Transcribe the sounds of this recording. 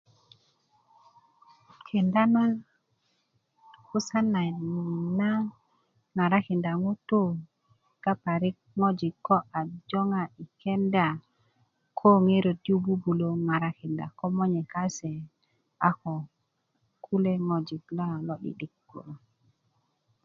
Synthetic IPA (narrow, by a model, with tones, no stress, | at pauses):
kʰi˨nda˦na˦n | ku˦sa˦na˨ni˨na˦ | ŋa˨ɾa˦ki˨nda˨ŋu˦tu˦ | ka˦pa˨ɾi˦k̚ŋo˦d͡ʒi˨kːɔ˦ʔa˨d͡ʒo˦ŋa˨i˨kʰe˦nda˨ | kʰo˦ŋe˦ɾo˨tju˦bu˦bu˨lo˨ŋa˨ɾa˦ki˨nda̰˨kɔ˦mɔ˦ɲe˨ka˦se˨ | a˦kɔ˨ | kʰu˦le˦ŋɔ˨d͡ʒi˨kla˦˨lɔ˦ɗḭ˨ɗi˦kːṵ˨ɾa˨